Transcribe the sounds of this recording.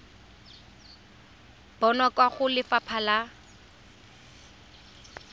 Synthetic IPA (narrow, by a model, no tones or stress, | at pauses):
b̥ɔnɔkʼwaχʊlɪfapʰala